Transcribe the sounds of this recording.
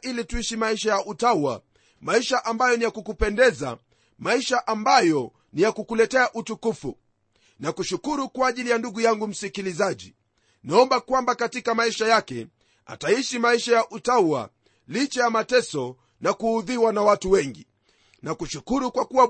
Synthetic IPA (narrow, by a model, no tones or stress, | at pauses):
ilituiʃimaiʃajaʔutauwa̰ | maiʃaʔambajɔnijakukupɛndɛza̰ | maiʃaʔambajɔ | nijakukulɛtɛaʔutukufṵ | nakuʃukuɾukwaːʄilijanduɡujaŋɡum̩sikilizaʄi | naɔmbakwambakatikamaiʃajakɛ̰ | a̰taiʃimaiʃajaʔutauwa̰ | lit͡ʃajamatɛsɔ | nakuːðiwanawatuwɛŋɡi | nakuʃukuɾukwakuwa